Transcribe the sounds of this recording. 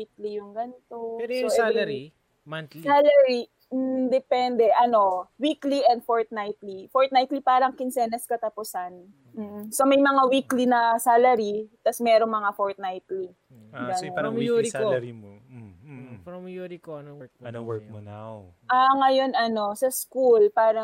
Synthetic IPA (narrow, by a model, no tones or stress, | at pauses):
iklijʊŋɡɐnt̪opɛɾoɾi | masalɐɾi | m̩d̪ɛpɛnd̪ɛʔɐno̞wikliʔɛnd̪̚foɹt̪̚najt̪lifoɹt̪̚najt̪lipaːɾɐŋkɪnsɛːnɐskɐt̪ɐpʊsan | m̩ːsomɐjmɐŋawiːklinɐsaːlɐɾit̪ɐsmɛːɾoŋmɐŋafoɹt̪̚najt̪li | ɡɐnouɾi | pɐmjuɾikoɐowɛmona | ʔaŋɐjo̞nɐno̞sɐskulpaːɾɐ